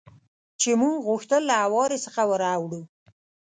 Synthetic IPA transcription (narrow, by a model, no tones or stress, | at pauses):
t͡ʃemuɣʊxt̪əlːaawɑɾesəxawəɾawɽu